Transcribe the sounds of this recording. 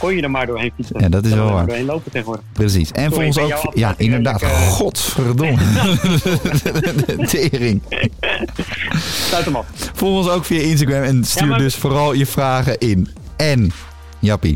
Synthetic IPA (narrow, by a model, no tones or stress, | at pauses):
kɔjjədəmaːɹdoːɹɦejnfiəjadɔtɪs̬ʋlɛlˠʋa̰ɹenlowpətɛxəodəprəs̬ḭsɛnfɔlˠənsokjaʔɪndəɹdaːtxɔtsfərdo | tʰeːrɪŋ | atəmɔfolˠxonsowkfijaɪns̬taɡɹɛmɛnstyːɹdøsfoːrɔlˠjəfraːɣəʔɪn | ɛn | jɑpḭ